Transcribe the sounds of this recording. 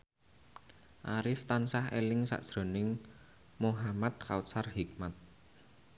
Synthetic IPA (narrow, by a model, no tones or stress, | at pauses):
ʔaɾɪft̪ansahḛlɪŋsa̰ʔd̥ʒ̥ɾo̤nɪŋ | moɦamat̪̚kʰaut̪sarhik̚mat̪̚